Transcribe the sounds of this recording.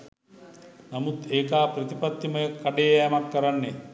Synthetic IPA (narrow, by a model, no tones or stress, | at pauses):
namut̪eːkaːpɾɐt̪ipɐt̪ːimɐjəkːaɖejjamakːɐɾanːe